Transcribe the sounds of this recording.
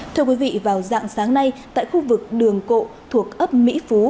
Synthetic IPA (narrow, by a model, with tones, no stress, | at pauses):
t̪ʰɨ˧əkwi˨˦vḭ˧˨vaː˨˩wza̰ː˧˨ŋsaː˨˦ŋna˧jt̪a̰ː˧˨jxu˧vɨ˨˩k̚ɗɨ˨˩əŋko̰˧˨t̪ʰu˨˩ək̚ʔə˦˥p̚mḭ˧˥fu˨˦